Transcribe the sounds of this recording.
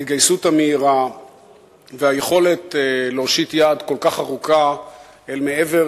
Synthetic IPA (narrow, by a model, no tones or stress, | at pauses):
it̪ɡajsuthameiʁa | veaje̞χo̞le̞tleoʃitjaːd̪ko̞lkaχaʁuka | elmee̞ve